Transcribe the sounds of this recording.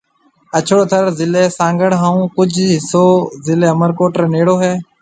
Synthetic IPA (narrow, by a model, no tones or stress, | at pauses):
ət͡ʃʰoːt̪ʰəɾzɪleːsãːŋɡəɽɦaːũːkʊd͡ʒʰʱɦɪsoːzɪleːəməɾkoːʈɾəneːɽoːɦɛː